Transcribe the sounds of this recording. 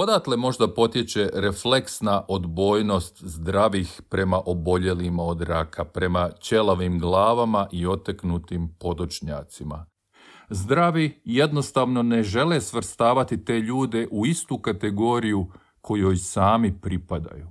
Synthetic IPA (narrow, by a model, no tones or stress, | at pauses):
o̞d̪at̪lemo̞ʒd̪apo̞t̪je̞t͡ɕe̞ɾefleksnaʔod̪bo̞ːjno̞st̪zd̪ɾaʋixpɾe̞maʔo̞bo̞ʎe̞limao̞d̪ɾakʰapɾe̞mat͡ɕe̞lˠaʋimɡlˠaːʋamaʔio̞t̪aknut̪impo̞t̪o̞t͡ʃɲa̰ːt̪sima̰ | zd̪ɾaʋijed̪no̞st̪aʋno̞ne̞ʒe̞lesʋr̩st̪aːʋat̪it̪e̞ːʎuːd̪e̞ʔuist̪ukat̪e̞ɡo̞ːɾiju | kʰo̞jojsaːmipɾipad̪a̰ju